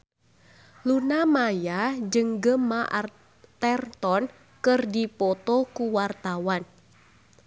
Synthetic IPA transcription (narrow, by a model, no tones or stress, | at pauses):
lunamajad͡ʒəŋɡəmaʔa | t̪ɛrt̪ɔn | kɨrdipɔt̪ɔkuwart̪awan